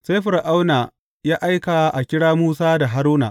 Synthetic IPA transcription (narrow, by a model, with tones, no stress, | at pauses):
sa˦jɸʊ˨rʔa˦wna˨ | jaː˦ʔa˦jka˨ʔa˨kʲɪ˦ɽaː˦muː˦saː˦da˨ɦa˦ɾuː˦na̰ː˨